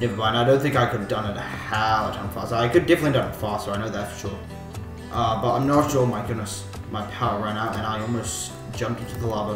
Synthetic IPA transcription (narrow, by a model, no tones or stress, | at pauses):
nɪvəbãɪ̃naɪdõʊ̃nθɪ̃ŋkaɪkɨdʌ̃nɨɾɨhæətʰãɪ̃ɱfɑ̰ˑstəaɪkɨdɛfəntˡlidʌ̃nfɑˑstəaɪ̃noʊðætstʰɹ̥ɔɹ | ʔʌbʌɾã̰ɪ̃mnəɾʃɔmaɪɡʊdⁿnəs | maɪpʰaʊə˞ɹæ̃ñaʊɾɨ̃ñaɪɔlˠmoʊs | d̥ʒ̥ʌ̃mp̚tɪ̃ntʉðəlɑvə